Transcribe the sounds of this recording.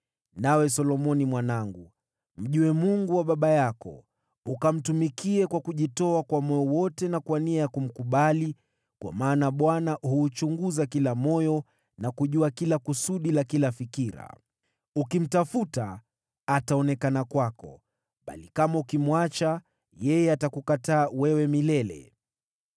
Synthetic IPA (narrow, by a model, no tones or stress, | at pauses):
nawɛs̬ɔlɔmɔnimwanaŋɡu | m̩ʄuɛmuŋɡuwaɓaɓajakɔ̰ | ukam̩tumikiɛkwakuʄitɔakwamɔjɔwɔtɛnakwaniajakum̩kuɓali | kwa̰maːnaɓwanahuːt͡ʃuŋɡuzakilamɔjɔ | nakuʄuakilakusuɗilakilafikiɾa̰ | ukim̩tafutaː | taɔnɛkanakwakɔ̰ | ɓa̰likamaukimwat͡ʃa | jɛjɛatakukataːwɛwɛmilɛlɛ̰